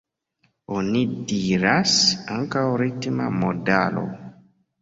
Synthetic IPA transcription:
onidiɾasaŋkawɾitma̰modalo̰

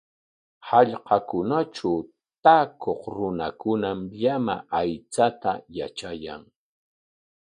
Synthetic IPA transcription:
hɑʎqɑkʊnaʈ͡ʂa | t̪aːkʰoχɾʊnakʊnamʎamaajt͡sat̪ajat͡ʃaja̰ŋ

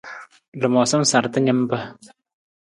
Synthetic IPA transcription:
ləmɔsəmsart̪aɲəmpəh

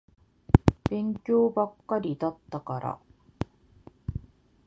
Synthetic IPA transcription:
b̥ẽ̞ŋkʲo̞ːbakːaɾʲid̪at̪ːakaɾa̰

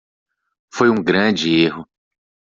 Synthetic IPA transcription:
fojũɡɾɐ̃d͡ʒɪeɦʊ

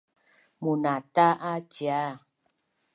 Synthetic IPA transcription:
munataʔad͡ʒia

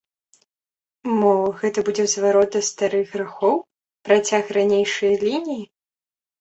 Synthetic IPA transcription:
mɔɣɛt̪ɐbud͡zʲɛzvaɾɔd̪ɐst̪aɾɨɣɣɾaxɔw | pɾat͡sʲaxɾanʲejʂɐjɐlʲinʲiji

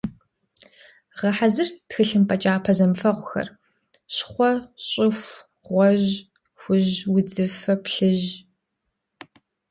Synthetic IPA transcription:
ʁɐħazɨrtxɨɬɨmpʰʼɐt͡ʃʼaːpʰɐzɐmfɐʁʷʊxɐ̰r | ɕχʷɔɕʼɪxʷ | ʁʷɔʑ | xʷʊʑwʊd͡zɨfɐpɬɨʑ

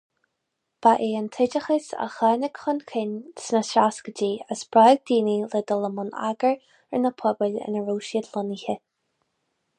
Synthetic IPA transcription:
b̥aʔeːənt̪ʰɪd͡ʒəxəsa̰xɛːnəɡ̥xʊnʲkʰɪnsnəsɾaskəd͡ʒiːəsb̥ɾajɡ̚d̪iːnilɛd̪ɔləmʊna̰ɡəɹ | ənəpʰɔbəlʲɪ̰nəɹuːʃiəd̪lʊnihə

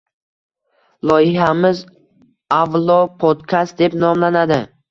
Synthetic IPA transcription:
lˠɒjɪhamɪz | avlˠɒpʰod̪kʲʰast̪̚d̪e̞pnɒmlanad̪ɪ

